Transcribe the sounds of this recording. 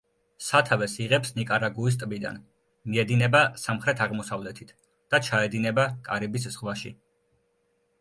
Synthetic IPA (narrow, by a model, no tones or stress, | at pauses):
sat̪ʰavɛsiʁɛpsnikʼaɾaɡuis̬t̪ʼbid̪a̰n | miɛd̪inɛbasamχɾɛt̪ʰaʁmɔsavlɛt̪ʰit̪ʰ | d̪̥at͡ʃʰaɛd̪inɛbakʼaɾibisz̥ʁlaʃḭ